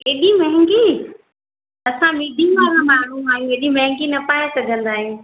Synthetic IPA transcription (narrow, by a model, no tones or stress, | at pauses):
eːɗimɐɦɪ̃ŋɡi | ɐsãmid̪ʱimaːɾãmaːɳ̤ũaːɦijũeːɗimɐɦɪ̃ŋɡinɐpaːesɐɡʱə̃nd̪aːɦijũː